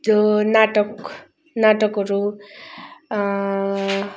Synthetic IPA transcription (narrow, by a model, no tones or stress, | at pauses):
naʈʌk | naʈʌkʌɾu